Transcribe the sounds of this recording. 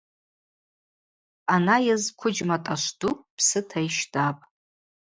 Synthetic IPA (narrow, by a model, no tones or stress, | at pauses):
anajazkʷʰʊd͡ʒmatʼaʃʷdupʰsɨtʰajʃdapʼ